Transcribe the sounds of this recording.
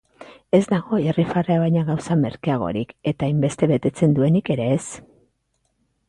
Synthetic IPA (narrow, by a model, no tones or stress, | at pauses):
e̞zd̪aɣo̞erifareaβajɲaɣawsame̞̰ɾkeaɣ̞o̞̰ɾike̞t̪aːjmbe̞st̪e̞βe̞t̪e̞t͡se̞nd̪ue̞nike̞ɾe̞ːs